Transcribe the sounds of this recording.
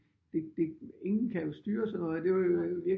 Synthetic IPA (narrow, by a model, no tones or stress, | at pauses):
d̥ed̥ee̝ŋn̩kʰæjo̝sd̥yːɐsɒ̽nɔ̽ð̩ˠd̥e̝ʋɑjoʋiɐ